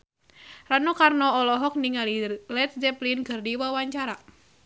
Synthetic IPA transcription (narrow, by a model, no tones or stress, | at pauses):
ranɔkarnɔɔlɔɦɔk̚niŋalilɛt̪̚d͡ʒɛplinkɨrdiwawaɲt͡ʃaɾa